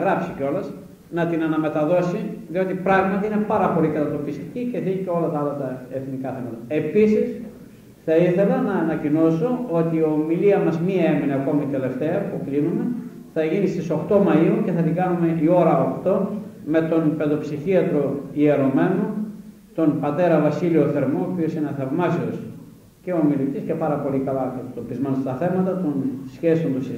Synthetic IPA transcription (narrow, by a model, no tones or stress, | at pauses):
ɣɾɐpsiceo̞lɐs | nɐt̪inɐnɐme̞t̪ɐðo̞siðio̞t̪ipɾɐɣmɐt̪iine̞pɐɾɐpo̞likɐt̪ɐt̪o̞pist̪i̥cice̞θiʝiceo̞lɐt̪ɐɐlɐt̪ɐeθnikɐθe̞mɐt̪ɐe̞pisis | θɐiθe̞lɐnɐːnɐcino̞so̞o̞t̪iomiliɐmɐzmiɐe̞mineɐko̞mit̪e̞le̞ft̪e̞ɐpuklinume̞ | θɐʝinist̪iso̞xt̪o̞mɐiuceθɐt̪iɡɐnume̞io̞ɾɐokt̪o̞ | me̞t̪o̞npe̞ðo̞psiçiɐt̪ɾo̞ie̞ɾo̞me̞no | t̪o̞npɐt̪e̞ɾɐvɐsilioθe̞ɾmooːpio̞sinθɐvmɐsios | ceoːmilit̪isce̞pɐɾɐpo̞likɐlɐkɐt̪ɐt̪opizmɐnst̪ɐθe̞mɐt̪ɐt̪onsçesond̪osi